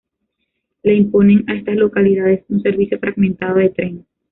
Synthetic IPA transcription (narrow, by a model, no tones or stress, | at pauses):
laimponeŋaest̪aslokaliðaðesunseɾβisjofɾʔaɡmẽnt̪að̞oðet̪ɾen